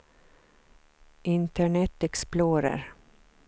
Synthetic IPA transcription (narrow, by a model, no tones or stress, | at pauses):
ʔɪnt̪əɳɛt̪ːɛksploːɾə̰ɾ